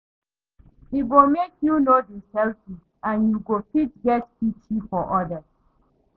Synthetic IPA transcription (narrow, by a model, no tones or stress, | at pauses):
iɡomekjunodəsɛlfi | ãnjuɡofit̚ɡɛtpitʰifɔʔɔdəz